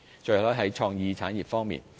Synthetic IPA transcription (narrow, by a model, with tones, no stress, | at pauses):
t͡ʃɵ˧lɔː˥jɦɐ˨˥jt͡ʃʰɔː˧ŋjiː˧t͡sʰaː˨˥nji˨˩p̚fɔː˥ŋmḭː˨n